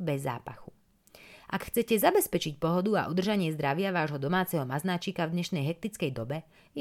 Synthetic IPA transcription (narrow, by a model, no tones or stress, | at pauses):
bɛzːa̰ːpa̰xu | ʔakxt͡sɛcɛzabɛspɛt͡ʃicpɔɦɔd̪ua̰ʔɔd̪r̩ʒaɲɪɛzd̪ɾaʋɪaʋaːʒɦɔd̪ɔmaːt͡sɛɦɔmaznaːt͡ʃiːkavd̪ɲɛʃnɛjɦɛk̚t̪it͡skɛjd̪ɔbɛ | j